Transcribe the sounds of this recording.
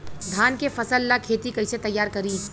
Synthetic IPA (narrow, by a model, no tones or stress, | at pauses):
d̪ʱaːnkefɐsəlːakʰeːt̪ikɐɪset̪ɐjːaːɾkɐɾiː